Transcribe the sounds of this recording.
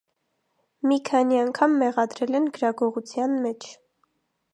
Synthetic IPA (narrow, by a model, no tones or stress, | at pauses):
mikʰɑniɑŋkʰɑmːɛʁɑd̪ɾɛlɛnɡəɾɑɡɔʁut͡sʰjɑnmɛt͡ʃʰ